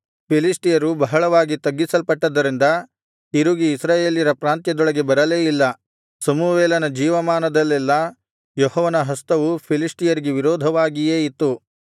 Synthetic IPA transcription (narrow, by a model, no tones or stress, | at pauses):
pʰilisʈijɐɾubɐɦɐɭɐʋaːɡit̪ɐɡːisɐlpɐʈːɐd̪ːɐɾind̪ɐ | iɾuɡiːsɾaːjeːljiɾɐpɾaːnt̪jɐd̪ɔɭɐɡe̞bɐɾɐleːjilːɐ | sɐmuʋeːlɐnɐd͡ʒiːʋɐmaːnɐd̪ɐlːɛlːɐ | jɔhɔːʋɐnɐɦɐst̪ɐʋupʰilisʈijɐɾiɡeʋiɾɔːd̪ʱɐʋaːɡijeːit̪ːu